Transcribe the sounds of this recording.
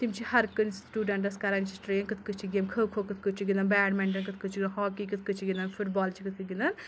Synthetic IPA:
t̪imt͡ʃʰihɐɾkɨnsʈuːɖɐɳʈɐskɐɾant͡ʃʰi̥sʈɾejɐnkɨt̪̚ʰkɨt͡ʃʰiɡemkʰəːkʰoːkɨt̪ʰkɨt͡ʃʰiɡind̪ɐnbaːɖmeɳɖɐnkɨt̪̚ʰkɨt͡ʃʰiɡ̪ɐnɦɔːkikɨt̪̚ʰkɨt͡ʃʰiɡind̪ɐnfʰuʈbɔːlt͡ʃʰikɨt̪̚ʰkɨɡind̪ɐn

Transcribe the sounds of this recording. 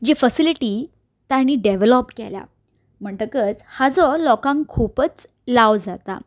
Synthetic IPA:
d͡ʑefəsiliʈi | t̪aɽ̃iːɖeʋelɔpkḛlja̰ | m̤əɳʈ̪əkət͡shad͡zɔlɔkãŋkʰupət͡s | lawd͡zat̪a̰

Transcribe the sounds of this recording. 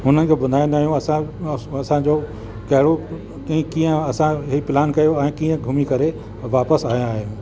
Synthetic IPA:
ɦʊn̤ənɪ̆kʰebɐnd̪ʱaːĩnd̪aːɦijũɐsãɐsãd͡ʑoː | kɐɦɪɽo | kiĩkĩːə̃ɐsãɦipɪlaːnkɐjoɛ̃ːkĩːə̃ɡʱʊmikɐɾe | ʋaːpəsaːɦĩaːɦejũ

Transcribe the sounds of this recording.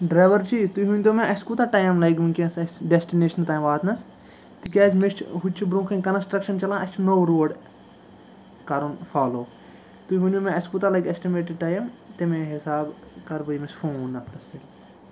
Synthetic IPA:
ɖɾɐːʋɐɾt͡ʃiːt̪ujɦunʲt̪omẽʔɐskut̪aʈaːjɐmlɐjkmunʲkinsɐsɖesʈineːʃɐnt̪aːjmʋaːt̪nɐs | t̪ikʲaːt͡ʃmest͡ʃʰɦut͡ʃʰːibɾũːkʰɐnʲkɐnsʈɾɐkʃɐnt͡ʃɐlãːɐt͡ʃʰnoːɾoːɖ | kɐɾunfaːloː | t̪ujɦunʲomẽɐskut̪alɐjkesʈimeːʈɪɖ̚ʈɐːjɐmt̪emẽɦɪsaːbkɐɾbɐjmesfoːnɐpʰnɐst̪ɐl

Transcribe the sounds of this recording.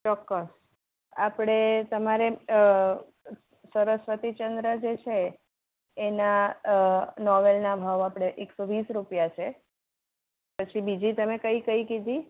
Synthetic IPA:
t͡ʃɔkːəs | apɽ̃et̪əmaɾe | səɾəsʋət̪it͡ʃənd̪ɾəd͡ʒet͡ʃʰeː | na | nɔʋelnabʱaʋapɽ̃eʔeksoʋisɾupjat͡ʃʰe | pət͡ʃʰibid͡ʒit̪əmekəikəikid̪ʱi

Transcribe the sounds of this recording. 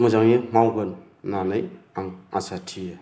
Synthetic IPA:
mazaŋimawɡɯnː | anajaŋasatʰija

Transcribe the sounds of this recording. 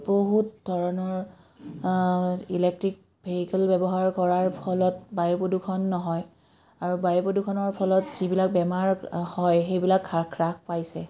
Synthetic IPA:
boɦutdʱɔɹɔnɔɹ | ilɛk̚tɹik̚ | bʱeɦikɛlbɛbɔɦaɹkɔɹaɹpʰɔlɔtbajupodukʰɔnːɔɦɔj | aɹubajupodukʰɔnɔɹpʰɔlɔtzibilak̚bɛmaɹhɔjxejbilakʰːakʰɹakʰpajsɛ

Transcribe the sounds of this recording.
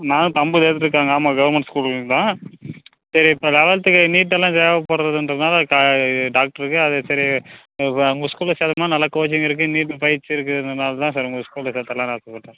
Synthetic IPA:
nãːñt̪ɐmbɯt̪eːt̪ːʈɾɯk̬ːaːŋɡɐːmaːɡɐʋɐɾmɛɳʈskuːlt̪ãː | sɐɾiplɛʋɐlt̪ːɯkːɯniːʈ̬ːɛlːãːseːʋɐpɐɽɾɐðɯndɾɐðɯnaːlɐkːɖaːk̚ʈɐɾɯkːɯɐðesɐɾi | ʊŋɡɐskuːlɐseːðɐmaːnɐlːɐkoːt͡ʃɪŋɪɾɯkːɯniːʈːɯpɐjɪɾt͡ʃːɪɾɯkːɯnɐnaːlɐt̪ãːsɐɾɐŋɡoskuːlɐseːt̪ːɐlːãːnɐːɾt̪ːɐpːɐɽʈːẽː

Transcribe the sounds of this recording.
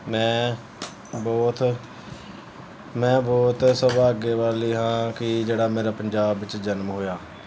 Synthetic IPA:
mɛ̃ː | bɔːt̪ | mɛ̃ːbɔːt̪səbaːɡeːʋaːliːɦãːkɪd͡ʒeːɽaːmeːɾaːpəɲd͡ʒaːbːɪt͡ʃd͡ʒənmɦoːjaː

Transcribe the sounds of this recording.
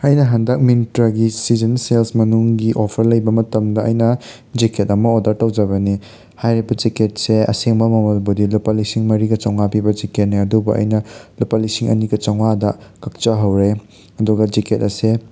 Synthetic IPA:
ajnɐɦɐndɐk̚minitɾɐɡisid͡ʒɐnselsmɐnuŋɡiʔopʰɐɾlɐjbɐmɐtɐmdɐɐjnɐ | d͡ʒiketɐmɐodɐɾtɐwd͡ʒɐβɐni | hajɾibɐd͡ʒiket̚seɐ̰seŋbɐmɐmɐlbudilupalisiŋmɐɾiɡɐt͡ʃɐwŋapibɐd͡ʒiket̚niɐdubɐʔɐ̰jnɐlupalisiŋɐ̰niɡɐt͡ʃɐwŋadɐkɐk̚t͡ʃɐɦɐwɾe | ɐduɡɐd͡ʒiket̚ɐse

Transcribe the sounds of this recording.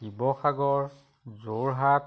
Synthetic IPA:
ibɔxaɡɔɹ | zoɹɦat

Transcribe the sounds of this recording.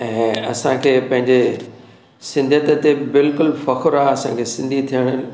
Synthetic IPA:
ɛ̃ːɐ̰sãkʰeːpɐ̃ɦɪ̃ɲd͡ʑe | sɪ̃nd̪ʱət̪ət̪ebɪlkʊlfɐkʰʊɾaːɐsãkʰeːsɪ̃nd̪ʱit̪ʰijəɽ̃ə

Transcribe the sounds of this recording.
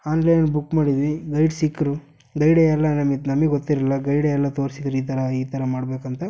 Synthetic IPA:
aːnlɐjnbukːmaːɽid̪iʋiɡɐjɖsikːɾu | ɡɐjɽeɛlːɐnɐmit̪nɐmɡɛɡot̪ːiɾilːɐɡɐjɽeɛlːɐt̪o̞ːɾsid̪ɾuiːt̪ʰɐɾɐiːt̪ʰɐɾɐmaːɽbe̞ːkɐnt̪ɐ

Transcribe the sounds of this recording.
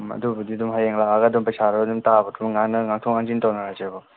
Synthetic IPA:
ɐ̰dubɐdidumɦajeŋlaɡaɡadumpajsaɾɐbdumtabɐtʰumŋanɐŋaŋtʰɔŋaŋzintɔwnaɾazebɔ

